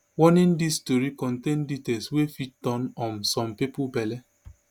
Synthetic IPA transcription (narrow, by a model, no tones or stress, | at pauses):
wɔnĩndistoɾikɔ̃ntẽnditelswefit̚dɔ̃nɔ̃nsɔ̃mpipubɛlɛ